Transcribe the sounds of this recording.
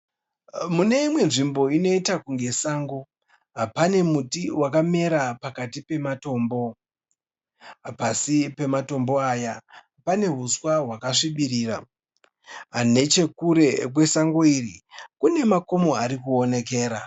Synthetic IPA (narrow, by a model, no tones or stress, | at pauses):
mune̞imwe̞nʐimbo̞ino̞itakuŋɡe̞saːŋɡo | ɦapane̞mutiwakame̞ɾapakatipe̞mato̞ːmbo̞ | pasipe̞mato̞mbo̞aja | pane̞ɦuswaɦwakaʂiɓiriːra̰ | ɦane̞t͡ʃe̞kuɾe̞kwe̞saŋɡoirikune̞mako̞mo̞aɾikuone̞ke̞ːɾa